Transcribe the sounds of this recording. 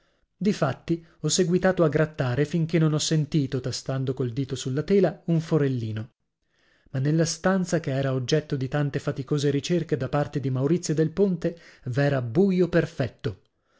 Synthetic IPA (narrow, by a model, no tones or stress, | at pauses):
d̪ifat̪ːi | ɔsːeɡwit̪aːt̪oaɡːɾat̪ːaːɾefiŋk̟enːonɔsːent̪iːt̪ot̪ast̪and̪okold̪iːt̪osulːat̪ɛːlauɱfoɾelːiːno | manːelːast̪ant̪sakeɛːɾaod͡ʒːɛt̪ːod̪it̪ant̪efat̪ikoːzeɾit͡ʃerked̪apart̪ed̪imawɾit̪sːjod̪elpont̪evɛːɾabuːjoperfɛt̪ːo